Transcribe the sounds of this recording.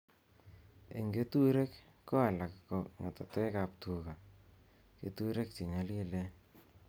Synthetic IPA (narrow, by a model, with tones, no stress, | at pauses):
e˨ŋɡe˦tu˦ɾe˦k | ko˦a˨la˨kko˨ŋa̰˨tɔ˨te˦ka˨p̚tu˨ka˨ | ke˨tu˦ɾe˦k̚t͡ʃi˨ɲa˨˦li˦le˦